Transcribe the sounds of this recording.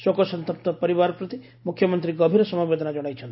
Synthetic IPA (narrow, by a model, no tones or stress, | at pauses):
sokɔsɔnt̪ɔp̚t̪ɔpɔɾibaɾɔpɾut̪i | mukʰːjɔmɔnt̪ɾiɡɔbʱiɾɔsɔmabed̪ʱɔnad͡ʒɔɽ̃ajt͡ʃʰɔnt̪i